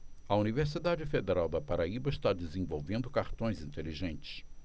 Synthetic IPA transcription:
ɐuniveɾs̬id̪ad͡ʒɪfed̪eɾawd̪ɐpaɾaibɐɪʃt̪ad͡ʒɪzẽvowvẽnd̪ʊkaɾt̪õj̃zĩnt̪eliʒẽnt͡ʃɪ̥s

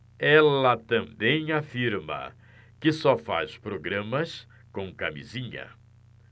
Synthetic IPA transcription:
ɛlɐt̪ɐ̃mbẽj̃afiɾmɐ̰ | kɪsɔfa̰spɾoɡɾɐ̃mɐs | kõw̃kamḭzĩɲɐ̰

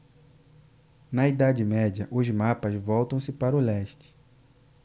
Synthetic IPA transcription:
nɐid̪ad͡ʒɪmɛd͡ʒɐʔʊzmapɐzvɔwt̪ɐ̃w̃sɪpaɾʊlɛʃt͡ʃɪ̥

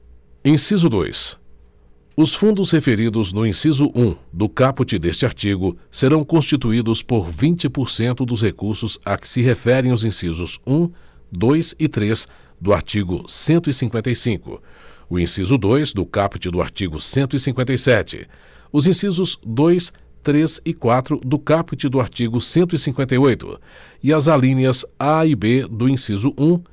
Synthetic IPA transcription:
ĩsizʊd̪o̰js | ʊsfũnd̪ʊshefeɾid̪ʊznʊĩsizʊʔũd̪ʊkaput͡ʃɪd̪est͡ʃɪaɾt͡ʃiɡʊseɾɐ̃w̃kõst͡ʃit̪uid̪ʊspoɾvĩnt͡ʃɪpoɾsẽnt̪ʊd̪ʊshekuɾsʊzakɪ̥sɪɦefɛɾẽj̃ʊzĩsizʊzũ | d̪ojsɪt̪ɾes | d̪ʊa̰ɾt͡ʃiɡʊsẽnt̪ʊisĩŋkwẽnt̪ɐjsĩkʊ̰ʊḭ̃sizʊd̪ojzd̪ʊkapit͡ʃɪd̪ʊa̰ɾt͡ʃiɡʊsẽnt̪ʊisĩŋkwẽnt̪̬ejsɛt͡ʃɪ̰ | ʊzĩsizʊzd̪ojs | t̪ɾezɪkwat̪ɾʊd̪ʊkapit͡ʃɪd̪ʊaɾt͡ʃiɡʊsẽnt̪̬ʊisĩŋkwẽnt̪̬ejojt̪ʊ̰ | ɪɐzalĩniɐzaibed̪ʊĩsizʊʔũ

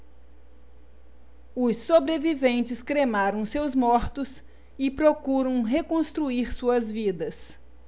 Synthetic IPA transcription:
ʊsːobɾevivẽnt͡ʃɪskɾemaɾɐ̃w̃sewzmɔɾt̪ʊs | ɪpɾokuɾɐ̃w̃ɦekõst̪ɾuiɾsuɐzvid̪ɐs

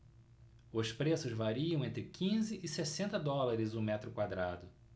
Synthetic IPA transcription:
ʊspɾesʊzvaɾiɐ̃w̃ẽnt̪ɾɪkʰĩzɪʔɪsesẽnt̪ɐd̪ɔlaɾɪzʊmɛt̪ɾʊkwad̪ɾa̰d̪ʊ

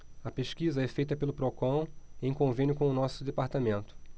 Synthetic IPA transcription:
ɐpeʃkizɐɛfejt̪ɐpelʊpɾokɐ̃w̃ẽj̃kõvẽnʲjʊkõʊnɔsʊd̪epaɾt̪amẽnt̪ʊ̥

